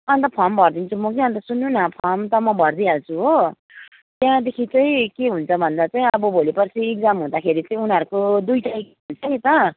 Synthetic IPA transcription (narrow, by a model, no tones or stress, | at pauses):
ʌnt̪ʌpʰʌmbʱʌrd̪int͡sʰumʌk̬iʌnt̪̬ʌsunːũnʌpʰʌmt̪ʌmʌbʱʌrd̪iɦalt͡sʰuɦo | t̪jãd̪ekʰit͡sʌĩkeɦunt͡sʰʌbʱʌnd̪at͡saĩʌbʌbʱolipʌrt͡sʰiek̚d͡zamɦũd̪akʰeɾit͡saĩunɦʌɾukod̪ujʈaek̚aɦunt͡sʰʌnit̪ʌ